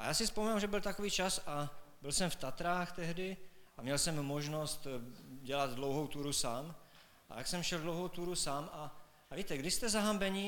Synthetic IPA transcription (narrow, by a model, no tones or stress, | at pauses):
ʔajaːsɪspominamʒɛbɪlt̪akoviːt͡ʃasabɪlsɛmft̪at̪ɾaːxt̪ɛɦdɪʔamɲɛlsɛmːoʒnost̪ɟɛlad̪dlo̞wɦowt̪uːɾusaːm | ʔa̰t̪aksɛmʃɛldlowɦowt̪uːɾusaːmʔa | viːt̪ɛɡdɪʃst̪ɛzaɦambɛɲi